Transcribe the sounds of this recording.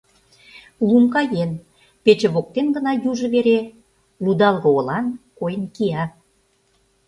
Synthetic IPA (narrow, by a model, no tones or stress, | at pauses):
lumkɑjen | pet͡ɕə̆βok̚t̪enɡə̆nɑjuʒɤ̆βeɾe | lud̪ɑlˠɣɤ̆olɑnkojənkiɑ